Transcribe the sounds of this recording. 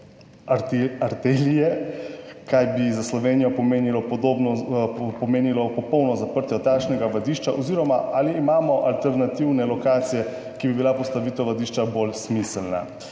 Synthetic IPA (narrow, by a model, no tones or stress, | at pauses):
aɾt̪elijɛ | kajbizaslɔʋeːnijɔpɔmenilɔpɔd̪obnɔpɔmeːnilɔpɔpɔwnɔzapəɾt̪jɔt̪akʃnɛɡaʋad̪iʃt͡ʃaʔɔziɾɔmaaliːmaːmɔʔalt̪ɛɾnat̪iwnɛlɔkaːt̪sijɛ | kibibilapɔst̪aʋiːt̪ɛwʋad̪iʃt͡ʃabolsmisɛlna̰